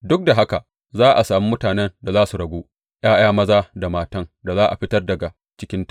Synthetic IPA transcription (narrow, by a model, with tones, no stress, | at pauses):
dʊ˦k̚da˨ɦa˦ka˨ | zaː˦ʔa˨saː˨mi˦mʊ˦taː˨nɛ˦nda˨zaː˦su˨ɽɐ˨ɡʷoː˦ | j̰aː˦j̰aː˦mɐ˦zaː˦da˨maː˦tɐ˦ŋda˨zaː˦ʔa˨ɸɪ˦tɐ˦rdɐ˨ɡa˨ | t͡ʃɪ˦kʲɪ˦nt